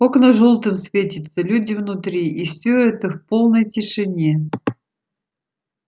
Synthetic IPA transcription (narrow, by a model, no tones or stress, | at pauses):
oknəʐolˠt̪ɨmsvʲetʲɪt̪səlʲudʲɪvnʊt̪ɾʲiʔifsʲɵɛt̪əfpo̞lˠnəjtʲɪʂɨnʲe